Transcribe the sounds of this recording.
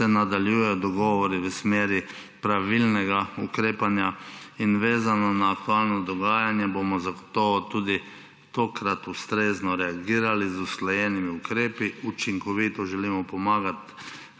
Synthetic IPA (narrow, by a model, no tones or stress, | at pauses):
sɛnad̪aljujɛjɔd̪ɔɡɔːʋɔɾiʋəsmeːɾi | pɾaʋilnɛɡaukɾeːpanjainʋeːzanɔnaːkt̪ualnɔd̪ɔɡaːjanjɛboːmɔzaɡot̪ɔʋɔt̪uːd̪i | t̪oːkɾat̪ust̪ɾeːznɔɾɛaɡiːɾalizusklɔjɛːnimiukɾeːpiut͡ʃiŋkɔʋiːt̪ɔʒɛlimɔpɔmaːɡat̪